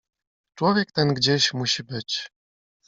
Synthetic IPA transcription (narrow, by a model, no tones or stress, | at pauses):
t͡ʂwɔvʲjɛk̚t̪ɛnɡd͡ʑeɕmuɕibɘt͡ɕ